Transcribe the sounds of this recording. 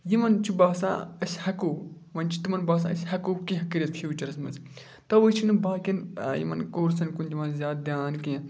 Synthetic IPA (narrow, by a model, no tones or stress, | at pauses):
jimɐnt͡ʃʰibaːsã̰ːɐsʲhɐkoː | mɐnt͡ʃʰi̥t̪imɐnbaːs̬ã̰ːɐsʲhɐkoːkĩɦɐkiɾʲijɐt̪fʰit͡ʃɐɾɐsmɐz | t̪ɐʋɨt͡ʃʰinɨbaːkʲinjḭmɐ̰nkoːɾsɐnkunʲt̪imɐnzʲaːd̪̚d̪ʲjaːnkiɐ̃